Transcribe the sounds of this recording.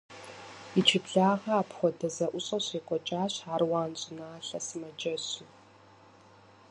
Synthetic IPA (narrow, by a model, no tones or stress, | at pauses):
it͡ʃʰɪpɮaːʁɐapχʷɔdɐzɐʔʷʊɕʼɐɕeːkʷʼɔt͡ʃʼaːɕaːrwaːnt͡sʼɪnaːɬɐsɨmɐd͡ʒʼɐɕu